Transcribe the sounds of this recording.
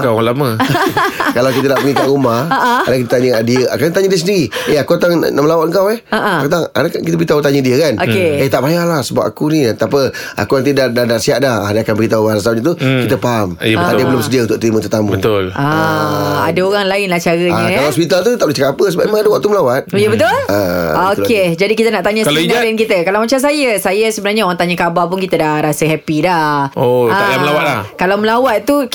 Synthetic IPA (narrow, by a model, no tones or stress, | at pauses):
kaaŋlamə | kalawkit̪̬ənapəŋikaʔɾumaha̰dakit̪ət̪aɲəadiəa̰kat̪aɲədiəs̬əniɾieakuat̪aŋ̰naʔməlawat̪əŋkawɛhaʔakut̪aŋa̰dakankit̪əbəɣit̪aut̪aɲədiəkanokeet̪aʔbajaʔlahsəba̰p̚akuniant̪apəa̰kunãŋt̪idaʔdadaʔsiaʔdahadaakanbəɾit̪aualasaɲət̪̬ukit̪əpaɦamt̪ajəbəlʊmsədiaunt̪ʊkʔ̚t̪ɾimə̃t̪ərt̪amũbə̃t̪ʊlʔa | adaoɣaŋlaɪnlaht͡ʃaɾəɲəawatspit̪alt̪ut̪aʔlot͡ʃəkapapəsəbapemaŋadəwaʔ̚t̪uməlawat̪̚jəbət̪ʊləoked͡ʒadikit̪ənaʔt̪aɲaslt̪aɛnkit̪əkalawmat͡ʃamsajəsajəsəbənarɲãoɣaŋt̪aɲakabap̬ʊnkit̪ədahɾasəɦɛpidaoaməlawalakalawməlawat̪̚t̪u